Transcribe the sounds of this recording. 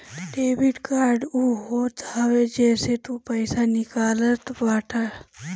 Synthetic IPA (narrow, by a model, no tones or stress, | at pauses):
ʈeːbiʈkaːɾɖuɦoːt̪aːwed͡ʒɛːset̪upəɪsanɪkaːlət̪baːʈʰa